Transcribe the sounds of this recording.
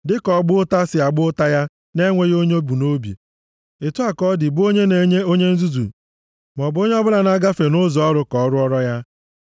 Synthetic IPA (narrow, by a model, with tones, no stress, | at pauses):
dɪ˦kɔ˨ɡ͡bʊ˦ta˦sɪ˨a˨ɡ͡bʊ˦ta˦ja˦ | ne˦ŋʷe˦jo˦ɲ˦o˦bu˨no˦bḛ˨ | ɪ˨tu˦a˨kɔ˦dɪ˨bʊ˦o˦ɲe˦n˦o˦ɲe˦n̩˦zu˦zṵ˨ | m˨ɔ˨bo˦ɲe˦ɔ˦bʊ˦la˨n˦a˦ɡa˦fe˨nʊ˦zɔ˨ɔ˦ɾʊ˦kɔ˨˦ɾʊ˦ɔ˦ɾɔ˦ja˦